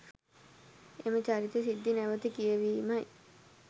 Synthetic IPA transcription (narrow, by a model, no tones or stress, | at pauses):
emɐt͡ɕaɾit̪esid̪ʱːineʋɐt̪ikijɐʋimɐj